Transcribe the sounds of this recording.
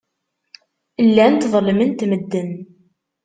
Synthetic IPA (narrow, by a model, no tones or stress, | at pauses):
əlːænt̪ðˤlmənt̪məd̪ːən